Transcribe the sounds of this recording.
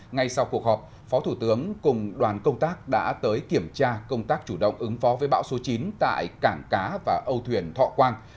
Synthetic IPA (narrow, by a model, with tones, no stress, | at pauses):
ŋa˧jsa˧wku˨˩ək̚hɔ˨˩p̚ | fɔ˨˦t̪ʰu˧˩t̪ɨ˨˦əŋkʊ˨˩ŋ͡mɗwaː˨˩nkə˧wŋ͡mt̪aː˦˥k̚ɗa̰ː˧˥t̪əː˨˦jki˧˩əmt͡ɕaː˧kə˧wŋ͡mt̪aː˦˥k̚t͡ɕu˧˩ɗə̰˧˨wŋ͡mʔɨ˨˦ŋfɔ˨˦vəː˨˦jɓa̰ː˧˥wso˨˦t͡ɕi˨˦nt̪a̰ː˧˨jkaː˧˩ŋkaː˨˦vaː˨˩ʔə˧wt̪ʰwi˨˩ənt̪ʰɔ̰˧˨kwaː˧n